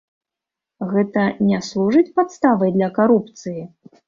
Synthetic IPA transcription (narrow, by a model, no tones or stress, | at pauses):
ɣɛt̪ɐnʲaslˠuʐɨt͡sʲpat̪st̪avɐjd̪lʲɐkaɾupt̪sɨji